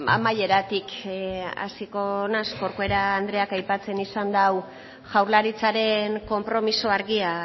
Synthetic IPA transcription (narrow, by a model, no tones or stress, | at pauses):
a̰maje̞ɾat̪ik | a̰siko̞naskoɾkoeɾaːnd̪ɾeakajpat͡se̞nisand̪aw | ʝawɾlaɾit͡saɾe̞ŋko̞mpɾo̞misoaɾɣia